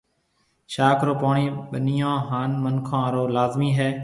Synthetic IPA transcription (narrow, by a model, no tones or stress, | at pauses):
ʃaːkʰɾoːpaːɳiːɓəniːãːɦaːnmənkʰãːɾoːlaːzmiːɦɛː